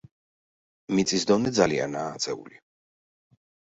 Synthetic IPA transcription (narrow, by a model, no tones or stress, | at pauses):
mit̪sʼisd̪ɔnɛd̪zalia̰naːt̪sʼɛṵli